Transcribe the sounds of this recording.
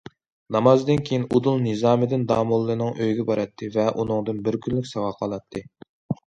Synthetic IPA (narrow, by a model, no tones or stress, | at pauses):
nɑmɑzd̪ɨnkʲʰejinud̪ulˠnɨzɑːmɨd̪ɪnd̪ɑːmulˠːɨnɨŋʔøjɡʲɛbɑɾʔɑt̪ʰːɨvɛʔunɨŋd̪ɨnbɪɾkʲʰynlykʲsɑʁɑqʰɑlˠɑt̪ʰːɨ